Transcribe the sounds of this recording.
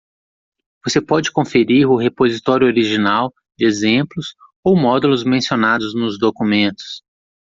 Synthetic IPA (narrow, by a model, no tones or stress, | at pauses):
vosepɔd͡ʒɪkõfeɾiɾʊɦepozit̪ɔɾjʊoɾiʒinaw | d͡ʒɪezẽplʊs | owmɔd̪ulʊzmẽsionad̪ʊznʊzd̪okumẽnt̪ʊ̥s